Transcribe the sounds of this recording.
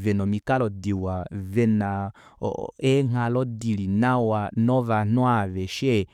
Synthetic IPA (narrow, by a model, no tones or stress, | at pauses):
vɛnɔmikalɔdiwavɛna̰ | ɛŋalɔdilinawanɔvanɔavɛʃɛ